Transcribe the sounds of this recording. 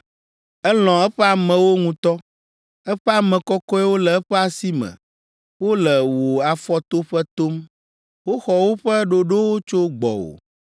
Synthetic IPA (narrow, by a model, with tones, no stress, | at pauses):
ɛ˦l̃ɔ̃˨ɛ˦ɸɛ˦a˨mɛ̃˨wo˦ŋũ˦t̪ɔ˦ | ɛ˦ɸɛ˦a˨mɛ̃˨kɔ˦kɔ˦ɛ˦wo˦lɛ˨ɛ˦ɸɛ˦a˨si˦mɛ̰̃˨ | wo˦lɛ˨wo˨a˨fɔ˦t̪o˦ɸɛ˦t̪o˦m | wo˦xɔ˨wo˦ɸɛ˦ɖo˨ɖo˦wo˦t͡ʃo˦ɡ͡bɔ̰˨wo̰˨